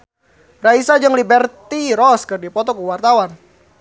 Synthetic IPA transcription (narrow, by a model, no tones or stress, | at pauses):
raisad͡ʒɨŋlibɛrt̪iɾɔskərdipɔt̪ɔkuwart̪awan